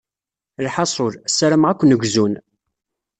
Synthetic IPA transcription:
lħɑsˤʊɾsːəɾəmʁækʷːnəɡʷzun

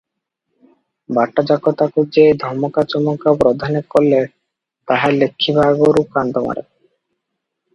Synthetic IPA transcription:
baʈːad͡ʑakːot̪akud͡ʑed̪ʱɔɾmokat͡ɕɔmokapɾod̪ʱanekolːe | t̪aɦalekʰːibʱaɡoɾukand̪oma̰ɾḛ

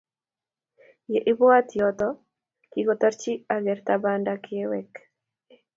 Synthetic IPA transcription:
jeʔɪbɔat̪jɔt̪ɔ | kiɡɔt̪aɾt͡ʃiaɡɛrt̪abandakʰɪewɛk

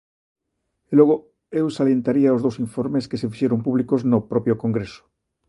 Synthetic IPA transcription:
eloɣ̞o | ewsaljent̪aɾiaozðowsiɱfoɾmeskesefiʃeɾompuβ̞likoznopɾopjokoŋɡɾeso̥

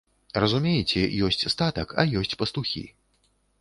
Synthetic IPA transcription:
rɐzumʲejɛt͡sʲɛjɔsʲt͡sʲst̪at̪ɐkɐ̰jɔsʲt͡sʲpɐst̪uxʲḭ

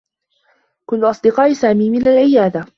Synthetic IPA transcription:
kʊnːʔɑsˤd̪ɨqɑːʔsaːmiːmɪnalʕɪjaːd̪a

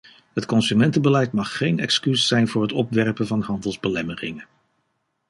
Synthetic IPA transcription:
ɦətkɔnsymɛntəbəlɛjtmɑχːejnɛ̰kskysːɛjnvʊːɹɦətɔpʋɛɹpənvɑnɦɑndəlˠzbəlɛmərɪŋən

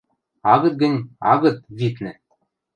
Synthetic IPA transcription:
ɑɣɤ̆t̪̚ɡɘ̆nʲɑ̰ɣɤ̆t̪̚vit̪nɘ̆

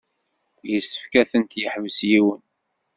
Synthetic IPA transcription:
jəsə̥fkæθənt̪jəħvəsjiwən

